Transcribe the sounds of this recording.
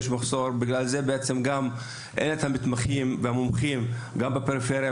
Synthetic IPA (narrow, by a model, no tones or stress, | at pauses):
ʃ̬maχso̞ɾbiɡlalze̞beet͡se̞mɡam | ʔenet̪hamit̪maχimvehamomχimɡambapeɾifeɾja